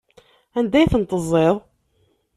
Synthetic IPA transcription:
ænd̪æjθənt̪ˤːəzˤːeðˤ

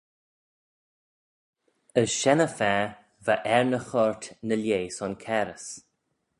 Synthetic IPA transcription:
əsʃɛnəfɛ | vaʔɛɹnəxɔɹt̪nəljeːsɔnkʰɛɾəs

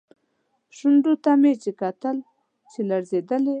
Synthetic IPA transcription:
ʃʊɳɖot̪amet͡ʃekat̪əl | t͡ʃelaɾzed̪əle

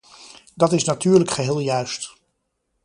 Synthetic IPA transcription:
dɑtɪsnatyːɹləkχəɦeːlˠjœɥst

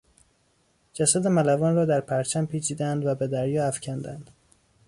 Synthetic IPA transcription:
d͡ʒæsæd̪emælævɒːnrɒːd̪æɾpʰæɾt͡ʃʰæmpʰiːt͡ʃʰiːd̪æænd̪væbe̞d̪æɾjɒːæfcʲʰænd̪ænd̪̥

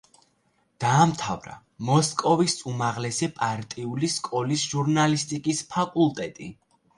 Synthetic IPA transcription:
d̪̥aːmt̪ʰavɾa̰ | mɔskʼɔvisumaʁlɛsɛpʼaɾt̪ʼiuliskʼɔlisʒuɾnalist̪ʼikʼispʰakʼulˠt̪ʼɛt̪ʼi

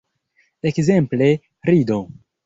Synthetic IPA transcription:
ekzemple̞ | ɾido̞

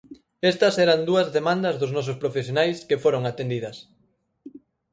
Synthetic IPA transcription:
est̪ɐsɛɾɐnd̪uɐzðemãnd̪ɐzðʊznɔs̬ʊspɾofesjonajskefoɾoŋat̪end̪iðɐs

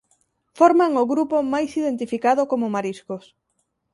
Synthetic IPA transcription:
fɔɾmaŋoɣɾupomajsiðent̪ifikað̞ʊkomomaɾiskos

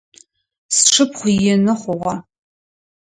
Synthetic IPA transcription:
sʂʰɨpʰχʷʊjɪnɨχʷʊʁɑ

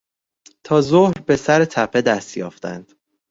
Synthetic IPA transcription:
t̪ʰɒːzohɾbe̞sæɾet̪ʰæpʰe̞d̪æst̪jɒ̰ːft̪æ̰nd̪̥

